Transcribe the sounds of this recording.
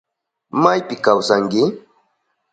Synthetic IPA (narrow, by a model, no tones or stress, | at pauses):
majpɪkawsaŋkɪ